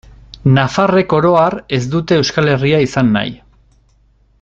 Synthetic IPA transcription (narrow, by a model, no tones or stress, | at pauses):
nafare̞ko̞ɾo̞are̞zd̪ut̪e̞ːwskale̞riaisanːa̰j